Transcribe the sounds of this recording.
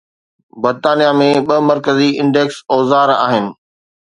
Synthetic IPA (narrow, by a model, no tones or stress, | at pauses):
bɐɾt̪aːnijamẽɓɐmɐɾkəziɪ̃ɳɖeːksɔːzaːɾa̰ːɦɪnɪ̆